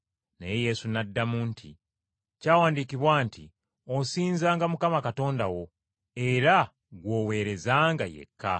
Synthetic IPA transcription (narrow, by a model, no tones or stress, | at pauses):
neje̞je̞sunadːamuntʰḭ | caːwaːndikiβwaːntʰi | osiːnzaːŋɡamukamakato̞ːndawo̞ | e̞ɾa | ɡwo̞ːwe̞ːɾe̞zaːŋɡajḛkʰːa̰